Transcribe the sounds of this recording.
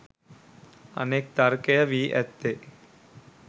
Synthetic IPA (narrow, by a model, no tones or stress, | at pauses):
ə̰neːk̚t̪ɐɾkɐjəʋiːʔɛt̪ːe